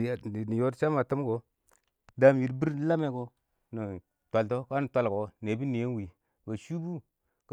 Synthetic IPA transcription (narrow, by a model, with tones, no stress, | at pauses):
a˦˨ni˨jo˦ɾt͡ʃa˦ma˨tə˦m˦ko˨ | da˦m˨ji˨ɾbi˦ɾla˦me˨ko˨ | nə˨ | tʷa˨lto˦ka˦nə˨tʷa˨lko˨˦ne˨bi˦ni˨je˦n˦wi˨ | ba˨ʃu˦bu˦ | k